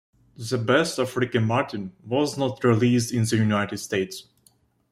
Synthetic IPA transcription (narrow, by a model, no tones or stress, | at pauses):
ðəbɛstafɹɪkə̃nmɑɹtɨ̃nwɔznətɹilis̬dɪ̃nðəjunaɪtɨd̥steɪts